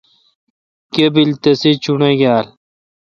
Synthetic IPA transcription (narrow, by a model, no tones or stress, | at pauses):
kebilt̪ɐsit͡ɕuɳɐɡaːl